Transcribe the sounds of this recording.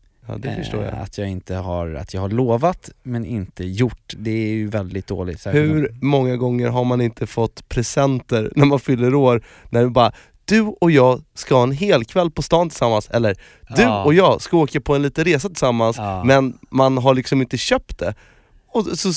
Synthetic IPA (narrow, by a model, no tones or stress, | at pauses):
jɑ̰ːd̪ɛfœʂto̰ːɾja̰a̰t̪ʰjɑːɪnt̪əha̰ɾa̰t̪ʰjɑːɡhaɭoːvat̪mɛnɪ̰nt̪əjʊʈːd̪ɛæɾjɵvɛld̪ɪt̪̚d̪o̰ːlɪ̰t̪hɵɾmɔŋːaɡɔŋːəɾɦaɾmanɪnt̪ʰəfɔt̪ːpʰɾɛsɛnt̪əɾnæɾmanfʏlːəɾoːɾ | næɾbɑːɾa | d̪̥ɵɔjɑːɡskahɑːɛnɦeːlkʰvɛlːpʰɔst̪ɑːnt̪ʰɪlsamːansɛlːəɾ | d̪ɵɔjɑːɡskaoːkapʰɔɛnliːt̪ənɾeːsat̪ʰɪsamːansmɛnmanɦaɭɪksɔmɪnt̪əɕœp̚t̪̚d̪ɛ | ɔsɔ